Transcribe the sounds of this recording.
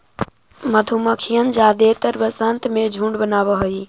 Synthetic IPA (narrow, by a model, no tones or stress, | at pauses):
məd̪ʱuməkʰijənd͡ʒad̪et̪əɾbəsənt̪med͡ʒʱũɳɖbənaβəɦəi